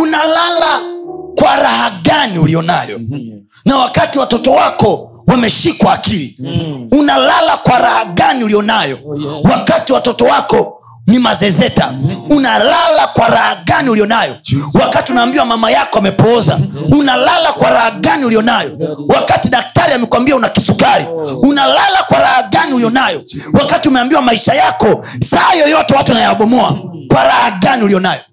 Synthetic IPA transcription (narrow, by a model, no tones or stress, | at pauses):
unalalakwaɾahaɠaniulijɔnajɔ | nawakatiwatɔtɔwakɔ | wamɛʃikwaːkiliunalalakwaɾahaɡaniulijɔnajɔwakatiwatɔtɔwakɔ | nimazɛzɛta̰unalalakwaɾahaɠaniulijɔnajɔwakatiunaːmbiwamamajakɔamɛpɔza̰unalalakwaɾahaɡaniulijɔnajɔwakatiɗak̚taɾiamɛkwambiaunakisukaɾiunalalakwaɾahaɡaniulijɔnajɔ | wakatiumɛambiwamaiʃajakɔ | sahajɔjɔtɛwatuanajaaɓɔmɔa̰ | kwaɾahaɡaniulijɔnajɔ